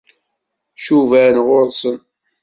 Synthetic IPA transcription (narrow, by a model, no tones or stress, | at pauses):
ʃuvænʁʊɾˤsən